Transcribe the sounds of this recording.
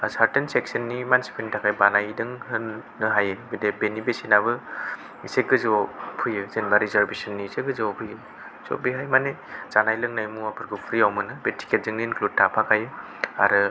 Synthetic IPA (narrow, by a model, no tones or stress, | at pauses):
asaɾtenseksɯnːimansi̥pʰentʰakʰajbanajdɯŋɦɯnː | ɯɦajɯbedebenibesinaβɯ | iseɡɯzopʰujɯzenbaɾizaɾbesɯnːiːseɡɯzɯpʰujɯ | zo̰beɦajmanezanajlɯŋnajmuapʰɯɾɡupʰɾiawmɯnɯbetʰi̥kʰet̚zɯŋninklud̚tʰːapʰakʰajɯ | a̰ɾɯ